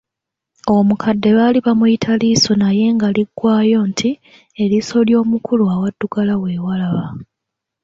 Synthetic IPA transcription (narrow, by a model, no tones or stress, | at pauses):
o̞mukʰadːe̞βaːliβamuitʰalisonaje̞ːŋɡaliɡwaːjo̞ːntʰi | eliso̞ljo̞ːmukʰuluawadːuɡalawe̞ːwalaβa